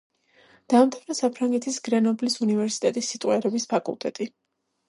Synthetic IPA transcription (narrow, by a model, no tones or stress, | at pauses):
d̪̥amt̪ʰavnasapʰɾaŋɡɛt̪ʰisɡ̥ɾɛnɔblisunivɛɾsi̥t̪ʼɛt̪ʼisːit̪ʼwɛɾɛbispʰakʼṵlˠt̪ʼɛ̰t̪ʼi